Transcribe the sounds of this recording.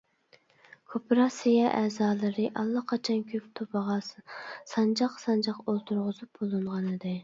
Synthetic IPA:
kʰopɾɑsejɛʔɛːzɑːlˠɨɾɨʔɑlˠːɑqʰɑt͡ʃʰɑnkʲʰøp̚t̪ʰopɑʁɑssɑnd͡ʒɑqsɑnd͡ʒɑqolˠt̪ʰuɾʁʊzup̚bolˠɨɴʁɑnɨd̪ɨ

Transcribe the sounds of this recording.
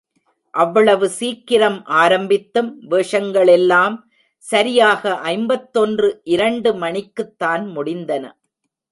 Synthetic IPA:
ʔɐʋːɐɭɐʋɯsiːkːɪɾɐmʔaːɾɐmbɪt̪ːɯmʋeːʂɐŋɡɐɭɛlːaːm | sɐɾɪjaːɣɐʔɐɪmbɐt̪ːɔndrɯʔɪɾɐɳɖɯmɐɳɪkːɯt̪ːaːnmʊɽɪnd̪ɐnɐ̰

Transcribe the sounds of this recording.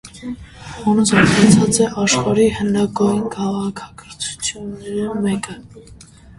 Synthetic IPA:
ɔnusɔɑt͡sʰɑt͡sɛʔɑʃχɑɾihənɑɡɔjinkʰɑʁɑkʰɑ̥kʰəɾt͡sʰu̥t͡sʰjunːɛɾimɛkə

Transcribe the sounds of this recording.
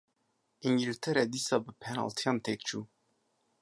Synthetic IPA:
iŋɡilit̪ʰɛɾɛd̪iːsɑːbɨpʰɛnɑ̰ːlt̪ʰijɑːnt̪ʰek̚t͡ʃʰuː

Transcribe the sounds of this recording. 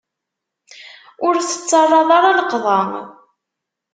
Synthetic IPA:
ʊɾθə̥t͡sːɑrˤːɑðˤaɾˤɑləqðˤɑ

